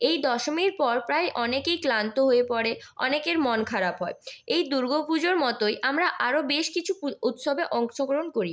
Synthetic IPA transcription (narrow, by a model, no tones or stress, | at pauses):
ejd̪ɔʃomiɾpɔɾpɾajʔɔnekejklant̪oɦoepɔɽe | ɔ̰nekeɾmɔnkʰaɾabɦɔeejd̪uɾɡʱopud͡ʑoɾmɔt̪ojʔamɾaʔaɾobeʃkit͡ɕʰuut̪ʃobeʔɔŋʃoɡɾonkoɾi